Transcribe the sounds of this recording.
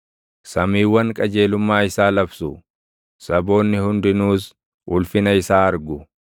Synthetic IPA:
sɐmiːwːɐŋkʼɐd͡ʒe̞ːlʊmːaːɪsaːlɐbsʊ | sɐbo̞ːnːɪhʊnd̪ɪnuːs | ʔʊlfɪnɐɪsaːɐɾɡʊ

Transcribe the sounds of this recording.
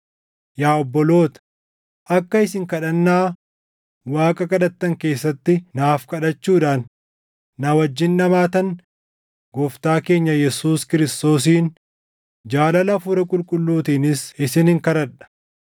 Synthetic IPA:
jaːɔbːɔlo̞ːt̪ | ʔɐkːɐɪsɪŋkɐᶑɐnːaː | waːkʼɐkʼɐᶑɐt̪ːɐŋke̞ːsːɐt̪ːɪnaːfkɐᶑɐt͡ʃːuːᶑaːnː | ɐwɐd͡ʒːɪnːɐmaːt̪ɐn | ɡɔft̪aːke̞ːɲːɐjɛsuːskɪɾɪst̪o̞ːs̬iːn | d͡ʒaːlɐlɐfʊɾɐkʼʊlkʼʊlːuːt̪iːnɪsɪsɪnɪŋkɐɾɐᶑɐ̥

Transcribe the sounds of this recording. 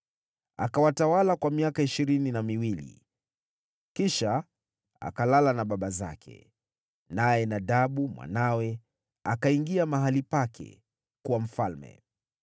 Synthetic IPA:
a̰kawatawalakwamiakaiʃiɾininamiwilḭ | kiʃa | a̰kalalanaɓaɓaza̰kʰɛ̰ | najɛnaɗaɓumwa̰nawɛ | akaiŋɡiamaɦalipakʰɛ̰ | kuwam̩falmɛ̰

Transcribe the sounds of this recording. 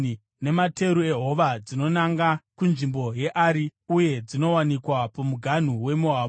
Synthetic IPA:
ne̞mate̞ɾue̞ɦo̞ʋad͡zino̞naŋɡakunʐimbo̞je̞ʔaɾiuje̞d͡zino̞wanikwapomuɡʱan̤uwe̞mua

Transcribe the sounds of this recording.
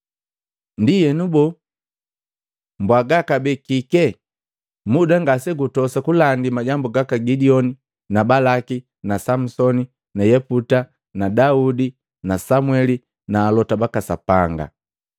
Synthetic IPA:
ndijɛnubɔ | mbwaɡakabɛkikɛ | mudaŋɡasɛɡutɔsakulandimaɟambuɡakaɡidiɔni | nabalaki | nasam̩sɔni | najɛputa | nadaudi | nasamwɛli | naːlɔtabakasapaŋɡa̰

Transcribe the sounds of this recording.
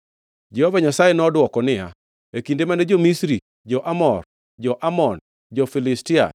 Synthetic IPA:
d͡ʒɛhɔvaɲasajenɔdwɔkɔnɪa̰ | ekindemanɛd͡ʒomisɾi | d͡ʒɔʔamɔr | d͡ʒɔʔamɔn | d͡ʒɔfilɪstɪa̰

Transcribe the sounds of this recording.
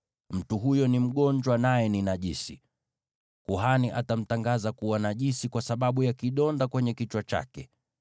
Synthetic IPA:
m̩tuɦujɔnim̩ɠɔɲd͡ʒwanajɛninaʄisi | kuɦaniʔatam̩taŋɡazakuwanaʄisikwasaɓaɓujakiɗɔndakwɛɲɛkit͡ʃwat͡ʃa̰kɛ

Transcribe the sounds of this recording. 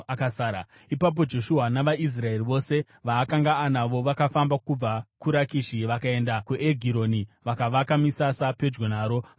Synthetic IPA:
akasaːɾa | ipap̬o̞d͡ʒo̞ʃuɦanaʋais̬rae̞riʋo̞se̞ | ʋaːkaŋɡaːnaʋo̞ʋakafambakub͡vakuɾakiʃiʋakae̞ndakuʔeɡʱiɾo̞niʋakaʋakamisasape̞d͡ʒɡonaːɾo̞

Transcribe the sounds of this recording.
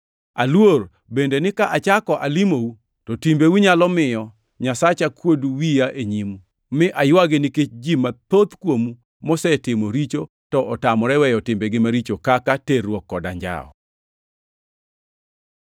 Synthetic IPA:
a̰lwor | bendenɪkaʔat͡ʃakɔʔalimou | tɔtimbewuɲalɔmɪjɔ | ɲasat͡ʃakwoduwijaʔeɲimu | mɪʔajwaɡɪnɪket͡ʃd͡ʒimat̪ot̪kwomu | mɔsɛtɪmoɾit͡ʃo | tɔʔɔtamɔɾɛwɛjɔtɪmbɛɡɪmaɾit͡ʃokakaterwɔkːɔda̰ɲd͡ʒa̰ɔ̰

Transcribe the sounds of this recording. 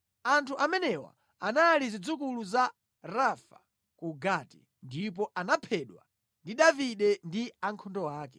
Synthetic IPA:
antʰuʔamɛnɛwa̰ | anaːlizid͡zukuluza | ɾafḁ | kuɡati̥̰ | ndipɔʔanapʰɛɗwa̰ | ndiɗaviɗɛndiaŋkʰɔndɔwaːkɛ̥

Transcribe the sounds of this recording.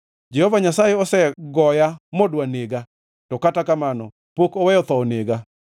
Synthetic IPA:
d͡ʒɛhɔvaɲasajeɔsɛɡɔjamodwaneɡa | tɔkatakamanɔ̰ | pokowɛjɔt̪ɔneɡa

